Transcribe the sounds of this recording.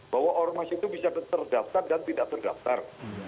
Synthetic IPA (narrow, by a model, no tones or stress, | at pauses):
b̥aɦwaʔormasit̪ubisat̪ərdaft̪ardant̪idaʔt̪ərda̰ft̪ar